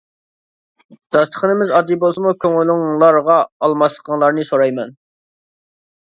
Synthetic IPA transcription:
d̪̥ɑst̪ʰə̥χənɪmɪzɑd̪ibolˠsɨmukʲʰøŋylɪŋlˠɑɾʁɑːlˠmɑsəqʰəŋlˠɑɾnɨsoɾɑjmɛn

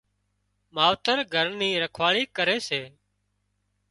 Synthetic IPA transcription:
maːʋt̪əɾɡʱəɾniːɾəkʰʋaːɭiːkəɾeːseː

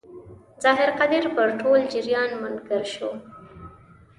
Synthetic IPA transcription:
zɑːɦɪɾqad̪ɪɾpəɾʈʰold͡ʒɪɾjɑnmʊnɡəɾʃo

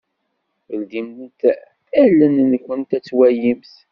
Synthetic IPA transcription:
ld̪imt̪ | ælːənnkʷːənt̪æt͡sːwæjimθ

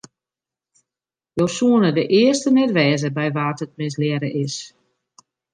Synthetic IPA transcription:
josuənədəʔɪərstənɛtʋɛːzəbɛjʋaːtət̚mɪs̬lɛɾəʔɪs

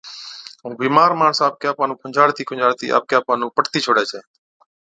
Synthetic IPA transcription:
ɦũːbiːmaːɾmaːɳsaːp̚kjaːpaːnũːkʰʊɲd͡ʒaːɽt̪iːkʰʊnd͡ʒaːɽt̪ḭːʔa̰ːp̚kjaːpaːnũːpəʈt̪iːt͡ʃʰoːɽeːt͡ʃʰeː

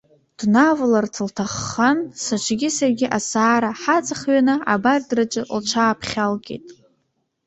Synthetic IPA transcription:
d̥navlartʰɨltʰaχːansat͡ʃʷʰɡʲɪsarɡʲɪʔasaːɾaħat͡sʼaχɥanɨa̰bardrat͡ʃʼɨlt͡ʃʷʰaːpʰχʲalɡʲʼḛjtʼ

